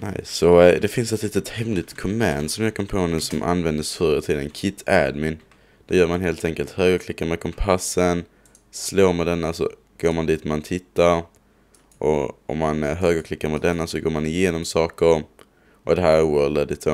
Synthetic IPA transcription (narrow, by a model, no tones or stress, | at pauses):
na̰ɪsːɔd̪ɛfɪnsɛt̪liːt̪ət̪hɛmlɪt̪kʰɔmːɛnsɔmjɑːɡkʰɔmpʰoːnʉ̟ːsɔmʔa̰nvɛnd̪əsfœːɾət̪ʰiːd̪ənkʰɪt̪ʰːæd̪mɪn | d̪̥ɛjœːɾmanɦeːlt̪ɛŋkəlt̪høːɡəɾkʰlɪkːaɾmɛkʰɔmpʰasːən | sloːmɛd̪ɛnːasɔ̰ | ɡ̥oːɾmand̪iːt̪mant̪ʰɪt̪ːaɾ | ʔɔ̰ɔ̰mːanɦøːɡəɾkʰlɪkːaɾmɛd̪ɛnːasɔɡoːɾmanɪjeːnɔmsɑːkəɾ | ʔɔd̪ɛɦæːɾwœɾld̪əɖ̪ɪt̪ʰə